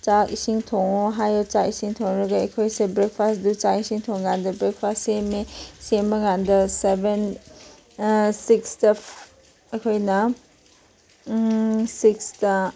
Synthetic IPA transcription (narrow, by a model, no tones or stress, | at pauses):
t͡ʃaisiŋtʰoŋɔɦajɔt͡ʃaisiŋtʰoŋɾɐɡaɐkʰojsebɾek̚pʰasdut͡ʃaisiŋtʰoŋɡandɐbɾek̚pʰastsemesemɐɡandɐseben | sikstɐ | ɐkʰojnɐ | siksta